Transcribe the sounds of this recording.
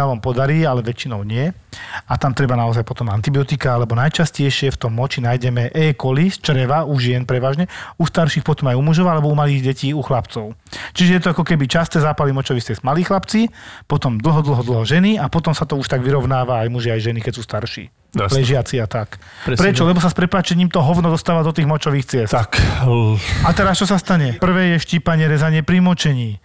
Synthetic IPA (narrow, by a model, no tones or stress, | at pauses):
aʋampɔd̪aɾiːalɛʋɛt͡ʃinɔʊɲɪɛat̪amt̪ɾɛbanaɔzajpɔt̪ɔmant̪ibiɔt̪ikaalɛbɔnajt͡ʃascɛjʃɪɛft̪ɔmːɔt͡ʃinajɟɛmɛʔɛːkɔlist͡ʃɾɛʋauʒɪɛnpɾɛʋaːʒɲɛust̪aɾʃiːxpɔt̪ɔmajumuʒɔʊalɛbɔumaliːɣɟɛciːuxlapt͡sɔʊt͡ʃiʒɛjɛt̪ɔakɔkɛbit͡ʃast̪ɛːzaːpalimɔt͡ʃɔʋist̪ɛzmaliːxlapt͡sipɔt̪ɔmd̪l̩ˠɦɔd̪l̩ˠɦɔd̪l̩ɦɔʒɛniapɔt̪ɔmsat̪ɔuʃt̪aɡʋiɾɔʊnaːʋaːjmuʒiajʒɛnikɛcsuːst̪aɾʃḭː | lɛʒɪat͡siat̪ak | pɾɾɛt͡ʃɔlɛbɔsaspɾɛpaːt͡ʃɛɲiːmt̪ɔɦɔʊnɔd̪ɔst̪aːʋad̪ɔt̪iːɣmɔt͡ʃɔʋiːxt͡sɪɛst̪k | at̪ɛɾast͡ʃɔsast̪aɲɛpr̩ʋɛːjɛʃciːpaɲɛɾɛzaɲɪɛpɾimɔt͡ʃɛɲiː